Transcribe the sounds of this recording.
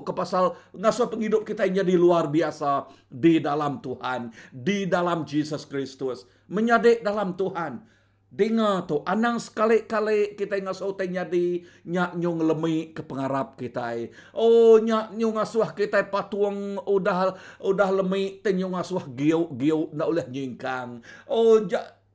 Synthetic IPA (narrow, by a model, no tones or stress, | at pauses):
kəpasalŋasuahpəŋidʊp̚kit̪ajɲadiluarbiasa | didalamt̪uhandidalamd͡ʒisəskɾist̪ʊs | məɲadɪʔdalamt̪uɦan | diŋat̪ʊʔanaŋsə̥kalɪʔkalɪʔkit̪ajŋasawt̪ajɲadi | ɲaʔɲʊŋləmiʔkəpəŋaɾap̚kit̪aj | ʔoɲaʔɲʊŋasuahkit̪ajpat̪uəŋudahudahləmɪʔt̪əɲʊŋasuahɡiʔɡiʊʔnaʔolɛhɲiŋkaŋod͡ʒaʔ